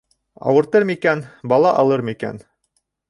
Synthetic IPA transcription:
ɑ̰wɤ̆ɾt̪ɤɾmikænbɑlˠɑʔɑlˠɤɾmikæ̰n

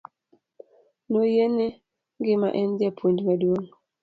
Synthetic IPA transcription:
nojene | ŋɡɪma̰ʔɛndjapʰwondimaduon

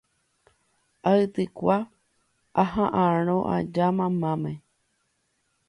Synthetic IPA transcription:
aɨt̪ɨkʷa | aɦãʔãɾ̃õʔa̰d͡ʒamãmãmẽ

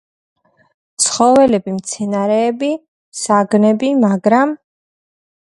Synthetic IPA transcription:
t̪sʰχɔvɛlɛbimt̪sʰɛnaɾɛːbi | saɡnɛbimaɡɾam

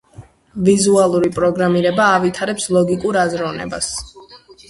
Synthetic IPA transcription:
vizualˠuɾipʼɾɔɡɾamiɾɛbaːvit̪ʰaɾɛpslˠɔɡikʼuɾazɾɔvnɛ̰ba̰s

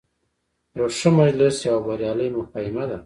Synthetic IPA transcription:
ɾoʂəmad͡ʒlɪsjawbaɾjɑləjmʊxajɪmad̪a

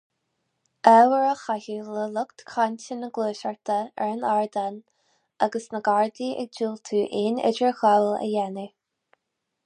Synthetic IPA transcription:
ʔɛwəɹəxahiləlʊkt̪kʰanʲtənəɡluːʃaɹt̪ʰəɛɹənaɹd̪an | aɡəsnəɡaɹd̪iʔɛ̰ɡ̚d͡ʒuːlt̪ʰuːʔɪnɛ̰d͡ʒɹəxawlə̰jɛni

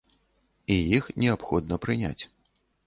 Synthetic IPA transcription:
ijixnʲɛapxɔd̪nɐpɾɨnʲa̰t͡sʲ

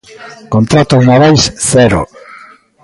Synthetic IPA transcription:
kont̪ɾat̪omaβajsθɛɾo̰

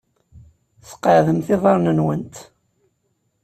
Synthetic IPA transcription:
θə̥qːəʕðəmθɪðˤɑɾnənwənt̪

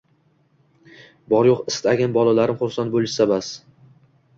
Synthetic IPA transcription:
bɒɾjoqɪst̪ʰaɡʲanbɒlˠalaɾɪmχʊɾsan̚bolˠɪʃsabas

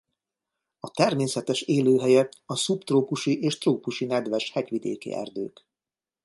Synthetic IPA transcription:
ɒt̪ɛrmeːsɛt̪ɛʃeːløːɦɛjɛt̪ɒsupt̪roːpuʃiʔeːʃt̪roːpuʃinɛd̪ʋɛʃhɛcʋid̪ḛːkḭɛ̰rd̪ø̰ːk

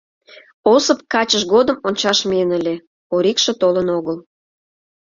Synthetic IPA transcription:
osəp̚kɑt͡ɕəʃɣod̪əmonʲt͡ɕɑʃmeənəlʲe | oɾikʃĕt̪olənoɣəl

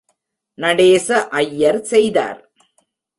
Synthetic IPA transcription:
nɐɽeːsɐʔɐjːɐɾsɛjða̰ːɾ

